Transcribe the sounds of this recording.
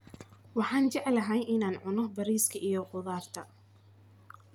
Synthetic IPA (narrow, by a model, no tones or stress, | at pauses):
wɑħɑːnt͡ʃɛʕlɐɦɛjʔɪnaːnʕʊnɔbɐɾiːskʰɐʔijɔqʊðaːrt̪ʰɐ